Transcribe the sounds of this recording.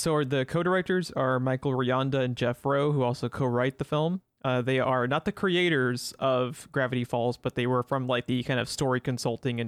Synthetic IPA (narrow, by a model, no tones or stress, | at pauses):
soʊðɨkʰoʊɾə˞ɛk̚tə˞zə˞maɪkl̩ˠɹiɑ̃ndɨɨ̃nd͡ʒɛfɹoʊhuɔlˠsoʊkʰoʊɹaɪt̪̚ðɨfɪlˠm | ʔʌðeɪʔə˞nət̪̚ðɨkʰɹ̥ieɪɾə˞z̥ʌv̥ɡ̥ɹævɨɾifɔlˠzb̥ʌt̪̚ðeɪwə˞fɹʌ̃mlaɪk̚ðɨkʰãɪ̃ndʌvstɔɹikɨ̃n̩sʌlˠtɪ̃ŋɨ̃n